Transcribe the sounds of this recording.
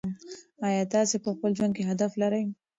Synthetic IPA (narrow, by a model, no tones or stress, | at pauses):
ajaːt̪aːsepəxpəld͡ʒwand̪̚keɦad̪aflaɾəj